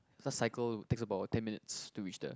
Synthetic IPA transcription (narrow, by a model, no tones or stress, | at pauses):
dətsaɪkəlteksəbaʊtʰːɛ̃nminɪtstuɹit͡ʃdə̰